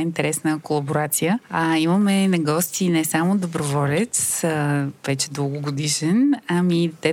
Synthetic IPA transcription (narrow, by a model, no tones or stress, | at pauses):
int̪ɛɾɛsnəkolˠɐboɾat̪sijəaiməmɛnɐɡɔst̪inɛsamod̪obɾovɔlɛt̪s | vɛt͡ʃɛd̪əɡʊɡod̪iʃɛnamit̪ɛ